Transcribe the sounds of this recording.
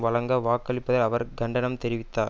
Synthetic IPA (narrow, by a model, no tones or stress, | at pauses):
ʋɐɭɐŋɡɐʋaːkːɐɭɪpːɐðɐlɐʋɐɾɡɐɳɖɐnɐmt̪ɛɾɪʋɪt̪ːaː